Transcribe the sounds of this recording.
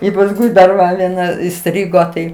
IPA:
ɪ pɐsˈkʊɪ dɐr ˈʋɐ ʋʲiɛˈnɐ ɪˈsʲtʲrʲɪɡoː tɐɪ

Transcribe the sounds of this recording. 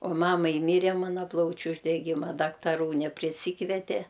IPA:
oː ˈmɑːmɐɪ ˈmʲiːrʲɛ ˈmɑːnɐ ˈplˠɐʊt͡ʃʲʊ ʊʒʲdʲɛˈɡʲɪmɐ dɐktɐˈruː nʲɛpʲrʲɪˈsʲiːkʋʲɛtʲɛ

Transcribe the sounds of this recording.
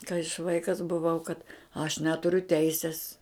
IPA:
kɐɪ ɐʃ ˈʋɐɪkɐs bʊˈʋɐʊ kɐt ɐʃ ˈnʲæːtʊrʲʊ ˈtʲɛɪsʲɪs

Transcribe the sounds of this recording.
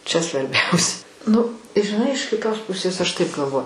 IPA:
t͡ʃʲɛ sʋɐrʲˈbʲɛʊs ˈnʊ ʒʲɪˈnɐɪ ɪʃ kʲɪˈtoːs ˈpʊsʲeːs ɐʃ tɐɪp ɡɐlˠˈʋoː

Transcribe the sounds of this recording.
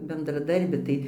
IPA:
bʲɛndrɐˈdɐrʲbʲɪ ˈtɐɪ

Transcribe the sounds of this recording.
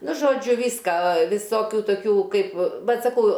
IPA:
ˈnʊ ʒoːˈd͡ʒʲʊ ˈʋʲiːskɐ ʋʲɪˈsoːkʲʊ toːˈkʲuː ˈkɐɪp ˈbʲɛt sɐˈkɐʊ

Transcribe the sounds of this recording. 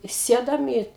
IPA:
ˈsʲeːdoːm iː

